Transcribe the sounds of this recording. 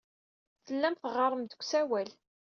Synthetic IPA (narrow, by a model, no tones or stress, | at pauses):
θəlːæmθəʁɑɾˤəmd̪əkʷːsæwæl